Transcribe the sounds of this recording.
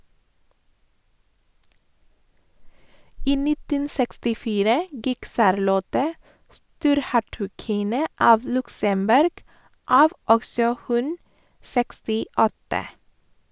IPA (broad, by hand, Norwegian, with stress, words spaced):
ˈiː ˈnɪtən sɛkstɪˈfiːɾə ˈɡɪk ˈsɑɾˌlɔtə ˈstuːɾˌhæʈʉˌkɪnə ˈɑːʋ ˈlʉksəmˌbʉɾɡ ˈɑːʋ ˈɔɡsɔ ˈhʉn sɛkstɪˈɔtə